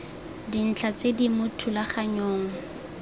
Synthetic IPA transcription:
din̩t͡ɬʰat͡sedimʊtʰulaχaɲoːŋ̩

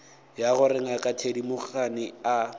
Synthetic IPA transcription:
jaɣʊrɪŋakʼatʰedimʊχanɪa

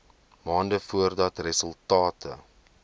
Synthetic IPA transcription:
mɑːndəfuərdɐtrəsəlˠtɑːtʰə̰

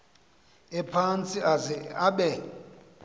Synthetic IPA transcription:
ɛpʰant͡sʼiaaɓɛ

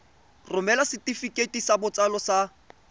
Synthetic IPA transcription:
rʊmɛlasɪtifikʼetʼisabʊt͡sʼalɔsa

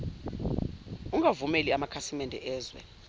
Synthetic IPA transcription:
uŋʱavumeliamakʰasimɛndʱɛ̰ʔɛːzwɛ̰

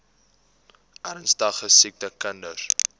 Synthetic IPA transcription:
ʔɐɾənsdɐχəsik̚təkəndər

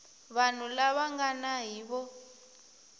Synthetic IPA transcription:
βan̤ulaβaŋɡanaɦiːβɔ

